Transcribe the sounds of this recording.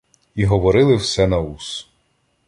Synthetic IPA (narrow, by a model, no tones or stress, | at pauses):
iɦɔʋɔɾɪlˠɪwsɛnɐus